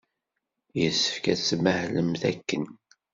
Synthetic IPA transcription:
jəsːə̥fkæt͡sːməhləmθækːən

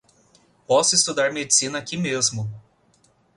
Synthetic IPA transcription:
pɔsʊist̪ud̪aɾmed͡ʒisĩnɐakimezmʊ

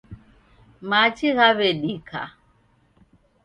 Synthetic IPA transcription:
mat͡ʃiɣaβɛɗikʰa̰

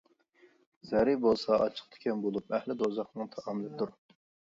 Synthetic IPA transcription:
zɛɾibolˠsɑʔɑ̰t͡ʃʰə̥χ̚t̪ʰɪ̥kʲʰɛnbolˠup̚ɛhlɪd̪ozɑχnɨŋt̪ʰɑʔɑmɪlˠɪd̪uɾ

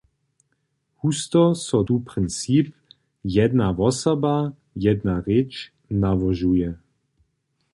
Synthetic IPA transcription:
hust̪ɔsɔd̪upʁɪnt͡siːp | jɛd̪navɔsɔba | jɛd̪naʁet͡ʃ | navɔʒujɛ

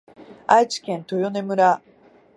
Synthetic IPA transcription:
ait͡ɕi̥kẽ̞nt̪o̞jone̞mɯ̟ɾa

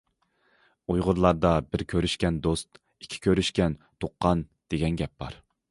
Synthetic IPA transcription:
ojʁʊɾlˠɑɾd̪ɑbɪɾkʲʰøɾyʃkʲɛnd̪ost̪ | i̥kʲʰːi̥kʲʰøɾyʃkʲɛnt̪ʰoqːɑnd̪̥eɡʲɛnɡʲɛp̚bɑ̰ɾ

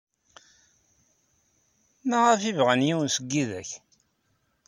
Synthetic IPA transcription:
mæʁəfivʁænjiwnsəɡːiðæç

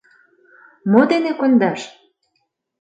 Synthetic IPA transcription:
mod̪enekond̪ɑʃ

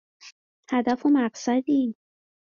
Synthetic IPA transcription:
hæd̪æfomæɢsæd̪iː

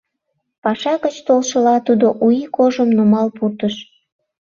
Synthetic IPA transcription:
pɑʃɑɣət͡ɕt̪olʃəlɑt̪ud̪oʔujikoʒəmnumɑlpurt̪əʃ

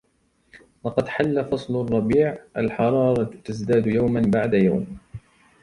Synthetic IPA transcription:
lɑqɑd̪ħalːafɑsˤlrˤːɑbiːʕʔalħɑɾˤɑːɾˤɑt̪asd̪aːd̪jawmanbaʕd̪ajawm

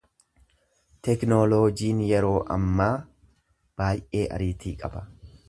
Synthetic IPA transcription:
t̪ɛknoloːd͡ʒiːnjɛɾo̞ːʔɐ̰mːaː | b̥aːjʔe̞ːʔɐ̰ɾiːt̪iːkʼɐbɐ

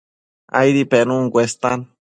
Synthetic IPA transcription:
a̰jɾipenũŋɡʷest̪an

